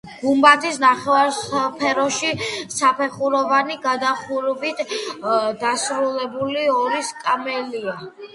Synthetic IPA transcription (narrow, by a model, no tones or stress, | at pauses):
ɡ̥umbat̪ʰisnaχɛvaɾpʰɛɾɔʃisapʰɛχuɾɔvaniɡad̪aχuɾvit̪ʰ | d̪asɾulɛbuliɔɾiskʼamɛlia